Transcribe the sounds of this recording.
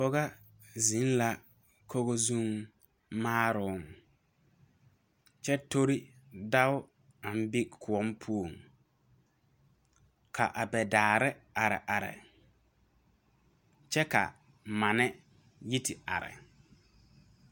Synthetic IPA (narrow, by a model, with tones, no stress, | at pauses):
bɔ˦ɣa˦ | zi˨˦n˦la˨ | ko˦ɣo˦zũ˦ŋ | maː˦ɾʊ˨˦ŋ | t͡ʃɛ˦to˦ɾi˦da˦ʊ˦ | a˨m̩˦bɪ˦kʊ˨ɔ˨˦mpʰu˦o˨ŋ | kʰa̰˨ʔa˨bɛ˨daː˨ɾɪ˦a˨ɾɪ̰˨ʔa˨ɾɪ̰˨ | t͡ʃɛ˦ka̰˨ | ma˨nɛ˦ | ji˦tɪ˨a̰˨ɾɪ̰˨